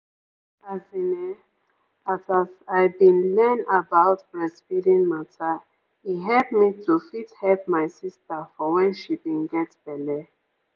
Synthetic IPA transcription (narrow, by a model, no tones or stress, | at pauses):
azinɛ | azazaɪbĩnlɛnabaʊtɹɛspiɾĩnmatʰa | iɦɛlp̚mitufithɛlpmaɪsistafɔwɛ̃nʃibĩnɡɛtb̥ɛlɛ